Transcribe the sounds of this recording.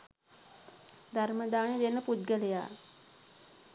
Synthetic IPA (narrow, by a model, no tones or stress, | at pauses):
d̪aɾməd̪aːɳed̪enːəpud̪̚ɡələja̰ː